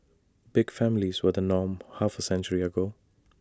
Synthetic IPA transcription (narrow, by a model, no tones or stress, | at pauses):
b̥ɪɡ̥fæmɪlizwəd̪ənɔːmhafəsɛ̃nt͡ʃəɹiəɡoː